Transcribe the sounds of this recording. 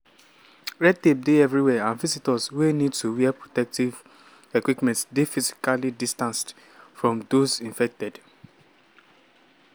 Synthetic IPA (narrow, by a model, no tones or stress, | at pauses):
ɹɛd̚tep̚deɛvɹiwɛãnvizitɔswenidtʰuwiɛpɹotɛk̚tiv | ekwipmɛ̃ntsdefizi̥kalidistãnst | fɹɔ̃mdozĩɱfɛk̚tɛd